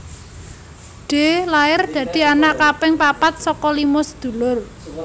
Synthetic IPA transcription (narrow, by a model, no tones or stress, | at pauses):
ɖ̪̥e̤laɪrd̪̥ä̤d̪̥i̤anaʔkapɪŋpapat̪̚sɔkɔlimɔsəd̪̥ṳlʊr